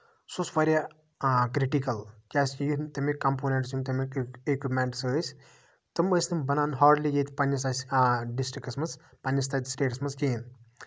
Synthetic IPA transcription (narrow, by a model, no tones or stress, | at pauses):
sosʋɐɾʲja | kɾiʈikɐlkʲaːsijit̪ɐmikːɐmpoːnʲeʈsjumt̪ɐmikekʲimeɳʈsɨsʲ | t̪ɨməsʲnɨmbɐnaːnɦaːɾɖliɡeːt̪ʰʲpɐnʲːɐsasʲɖisʈɾikɐsmɐt͡spɐnʲjɐst̪aːt̪ʲsʈeːʈsmɐskʲeːn